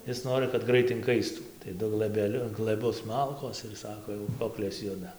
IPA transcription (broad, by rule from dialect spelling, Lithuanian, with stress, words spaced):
ˈɪs ˈnoːrɨ kɐt ˈɡrɐɪt ɪŋˈkɐɪstuː tɐɪ ˈdʊ ɡlˠɘbʲɛˈlʲʊ ɡlˠɘˈbʊs ˈmɐlˠkoːs ɪr ˈsɑːkoː jɛʊ ˈkoːklʲeːs ˈjʊdɐ